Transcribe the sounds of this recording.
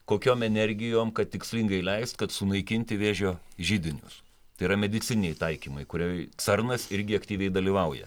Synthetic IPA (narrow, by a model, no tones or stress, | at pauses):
koːkʲoːmɛnʲɛɾʲɡʲɪjoːmkɐt̪̚ʲtʲɪksʲlʲɪŋɡɐɪlʲɛɪst̪kɐt̪sʊnɐɪkʲɪnʲt̪ʲɪʋʲeːʒʲoːʒʲɪd̪ʲɪnʲʊ̰s | t̪ɐɪiɾɐmʲɛd̪ʲɪtsʲɪnʲɛɪt̪ɐɪkʲiːmɐɪkʊɾʲoːjt̪sɐrnɐsɪɾʲɡʲɪɐkt̪ʲiːʋʲɛɪd̪ɐlʲiʋɐʊjɛ̰